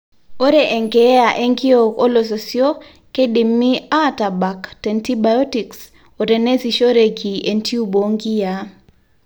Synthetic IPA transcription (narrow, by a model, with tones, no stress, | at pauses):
o˦ɾe˨ʔɛ˨ŋɡɛ˦a˨ʔe˦ŋɡɪ˦o˨ko˦lo˨s̬o˨sjo˦ | ke˦di˨mːi˦a˦ta˨ba˨ktɛ˨nti˦ba˨ɔ˦ti˨ks | o˨ɾe˨ne˦si˨ʃo˦ɾe˨ɡi˨e˨nti˦u˦bo˨ŋɡi˦ja˨